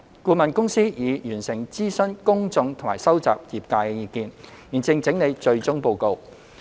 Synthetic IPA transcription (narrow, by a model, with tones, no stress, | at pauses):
kuː˧mɐ˨nkʊ˥ŋsiː˥jiː˨˧jyː˨˩nsɪ˨˩ŋt͡siː˥sɵ˥nkʊ˥ŋt͡sʊ˧ŋt̪ʰmaː˨˩jsɐ˥wt͡sa̰ː˨p̚jiː˨p̚kaː˧jkɛ˧jiː˧kiː˧n | jiː˨˩nt͡sɪ˧ŋt͡sɪ˨˥ŋne˨˧jt͡ʃɵ˧ɥt͡sʊ˥ŋpo˧wko˨˧w